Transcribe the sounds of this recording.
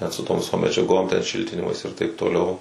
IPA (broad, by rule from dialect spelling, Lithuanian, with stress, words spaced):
nʲɛt sʊ toːm ʋʲɪˈsoːm mʲɛd͡ʒʲɛˈɡoːm tʲɛn ˈʃʲɪlʲtʲɪnʲɪmɐɪs ɪr tɐɪp toːˈlʲɛʊ